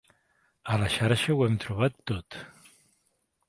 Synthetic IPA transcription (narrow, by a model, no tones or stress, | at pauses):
əlaʃaɾəʃəwɛmt̪ɾuβ̞at̪ːot̪